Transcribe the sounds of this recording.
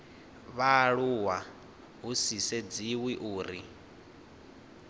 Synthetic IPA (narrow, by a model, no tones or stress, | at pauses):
βaɺuwa | ɦusisɛd͡ziwiʔuːɾi